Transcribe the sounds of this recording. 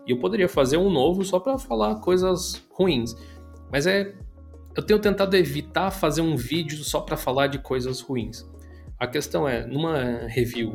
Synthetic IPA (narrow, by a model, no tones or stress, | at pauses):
ɪewpod̪eɾiɐfazeɾũnovʊsɔpɾɐfalaɾkojzɐzhuĩs | mɐzɛ | ewt̪ẽɲ̃ʊt̪ẽnt̪ad̪ʊevit̪afazeɾũvid͡ʒʊsɔpɾɐfalaɾd͡ʒɪkʰojzɐshuĩs | ɐkest̪ɐ̃w̃ɛnũmɐheviw